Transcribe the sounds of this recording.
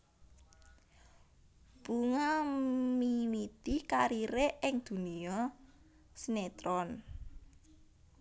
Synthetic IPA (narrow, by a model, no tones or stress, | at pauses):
b̥uŋamiwid̪̥ikaɾiɾeʔɪŋd̪̥ṳniɔ | snet̪ɾɔn